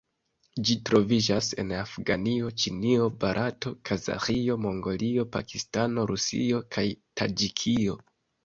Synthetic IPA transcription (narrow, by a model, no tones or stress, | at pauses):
d͡ʒitɾo̞vid͡ʒase̞̰nafɡanio̞t͡ʃinio̞baɾʔato̞kʰaza̰xio̞mo̞ŋɡo̞lio̞pakistano̞ɾusḭo̞kʰajtʰad͡ʒikʰio̞